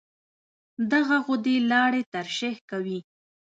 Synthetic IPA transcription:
d̪aɣaɣʊd̪elɑɽet̪aɾʃehkawi

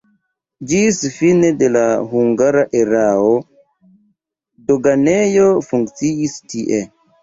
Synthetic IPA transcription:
d͡ʒisfinedelaɦuŋɡaɾaʔeɾao | doɡanejofuŋkt͡siistiʔe

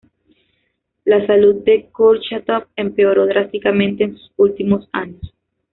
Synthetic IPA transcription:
lasalud̪̚d̪e̞koɾt͡ʃat̪ap̚empeoɾo̞ðɾast̪ikamẽnt̪e̞ːnsu̥sult̪imosaɲos

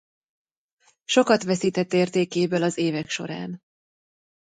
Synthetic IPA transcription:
ʃo̞kɒt̪ʋɛsiːt̪ɛt̪ːeːrt̪eːkeːbølɒzeːvɛkʃo̞̰ɾa̰ːn

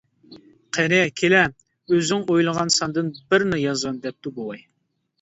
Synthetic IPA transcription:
qʰɛnɛkʲʰelɛ | øzɪŋojlˠəʁɑnsɑnd̪ɨnbɪɾnɪjɑzwɑnd̪ɛp̚t̪ubowˠɑj

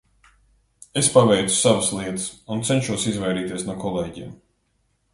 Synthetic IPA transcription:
espavɛjt̪su̥savəslˠiɛt̪ɨ̥sunt̪sɛnʃuɔsizvɛjɾiːt̪iɛsnuɔkɔlˠeːɟiɛm

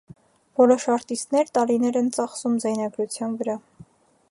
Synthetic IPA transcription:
vɔlɔʃɑɾt̪ist̪nɛɾt̪ɑɾinɛɾɛnt͡sɑχsumzɑjnɑɡɾut͡sʰjɑnvəɾɑ

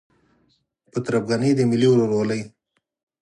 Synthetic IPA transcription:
pət̪ɾapɡanid̪əmɪliwɾoɾwaləj

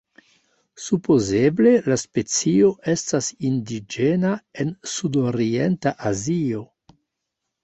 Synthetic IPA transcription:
supo̞zeble̞laspe̞t͡sio̞ʔe̞stasindid͡ʒenaensudoɾientaʔazio̞

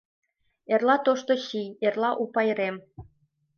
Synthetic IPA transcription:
erlɑt̪oʃt̪oɕijerlɑʔupɑjɾem

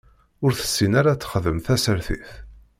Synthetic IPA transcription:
ʊɾθə̥sːinaɾat͡sːə̥χəðəmθæsəɾθiθ

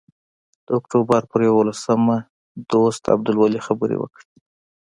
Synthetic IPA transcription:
d̪̥əʊkʈobəɾpəɾjawolasəma | d̪ost̪a̰b̚d̪ʊlwalixabəɾḛwə̰kɽi

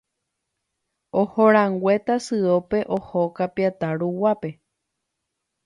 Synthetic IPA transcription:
ohoɾ̃ãŋɡʷet̪asɨope̞ʔohokapiat̪aɾuwape̞

